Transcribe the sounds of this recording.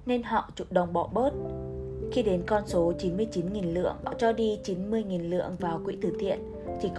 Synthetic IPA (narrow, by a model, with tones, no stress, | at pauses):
ne˧nɦɔ̰˧˨t͡ɕṵ˧˨˩ɗə˨˩wŋ͡mɓɔ̰˧˨ɓəː˦˥t̚xi˧ɗe˨˦nkɔ˧nso˨˦t͡ɕi˨˦nmɨ˧əjt͡ɕi˨˦nŋi˨˩nlɨ̰˧˨əŋɓɔ̰˧˨t͡ɕɔ˧ɗi˧t͡ɕi˨˦nmɨ˧əjŋi˨˩nlɨ̰˧˨əŋvaː˨˩wkwḭ˧˥t̪ʰɨ˧˩t̪ʰḭ˧˨ən | t͡ɕi˧˩k